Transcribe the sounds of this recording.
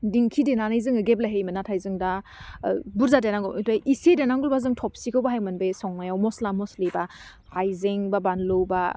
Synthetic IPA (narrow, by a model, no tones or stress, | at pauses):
diŋkʰidenanajzɯŋɯɡep̬̚laɦejmɯnatʰajzɯŋda | buɾzadenaŋɡɔwitajʔisedenaŋɡɔlbazɯŋtʰɔp̚sikʰɯwbaɦajmɯnbesɔŋmajawmɔslamɔsliba | hajzeŋbabanlɯwba